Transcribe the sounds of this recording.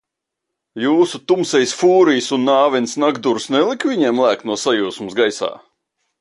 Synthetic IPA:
juːsut̪umsɛjsfuːɾijsunːaːvɛnsnaɡd̪uɾsnɛlˠikvʲiɲɛɛmlˠæːknuɔsajuːsmusɡajsa̰ː

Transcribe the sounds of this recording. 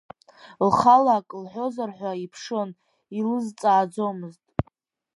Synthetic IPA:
lχalakʼlħʷo̞zarħʷaipʰʂo̞n | ilɨzt͡sʼaːd͡zo̞mɨztʼ

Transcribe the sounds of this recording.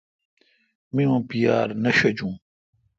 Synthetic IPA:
mĩõːpijaːɾnɐɕɐd͡ʑũː

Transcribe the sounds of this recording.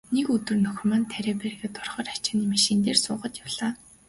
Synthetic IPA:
nekɵt̪ɵ̆rnɵxʲmaːnt̪ʰæɾeːpærɣĕt̪ɔrχœːrat͡ɕaːniːmiʃint̪eːrsʊːʁə̆t̪jawɮaː

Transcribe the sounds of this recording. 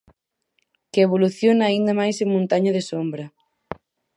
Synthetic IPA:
keeβ̞oluθjonaːind̪amajsemũnt̪aɲaðesombɾɐ

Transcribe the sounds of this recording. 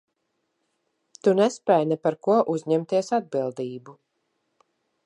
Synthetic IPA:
t̪unɛspʲɛjnɛpaɾkuɔʔuzʲɲɛmt̪iɛsad̪̚bilˠd̪iːbu

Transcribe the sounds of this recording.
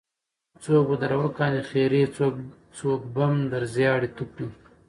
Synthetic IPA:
t͡soːkbod̪aɾawakɑːnixeːɾet͡so | t͡soːk̚bamd̪aɾzjɑːɽit̪uki

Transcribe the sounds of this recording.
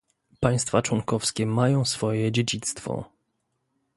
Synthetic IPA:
paj̃st̪fat͡ʂwɔŋkɔfskʲɛmajɔ̃w̃sfɔjɛd͡ʑed͡ʑit̪st̪fɔ̰

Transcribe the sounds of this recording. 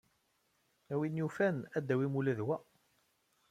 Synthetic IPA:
æwinjufænæd̪ːæwimulæðwæ

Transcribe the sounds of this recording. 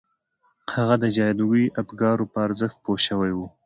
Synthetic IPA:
haɣad̪əd͡ʒɑjd̪uwiʔapɡɑɾopəaɾzəxt̪̚poʃəwajwu

